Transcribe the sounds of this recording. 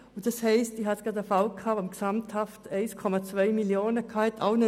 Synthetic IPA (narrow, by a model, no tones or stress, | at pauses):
ʊd̥ɑshɛɪstihɑsɡ̥ʁɑdəfalkʰaːamksamthaftɛɪskʰɔmat͡svœɪmiljoːnəkʰɑːhɛtʰaʊnə